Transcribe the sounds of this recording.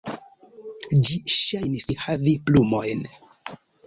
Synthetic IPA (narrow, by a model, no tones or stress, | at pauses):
d͡ʒiʃajnishaviplumo̞jn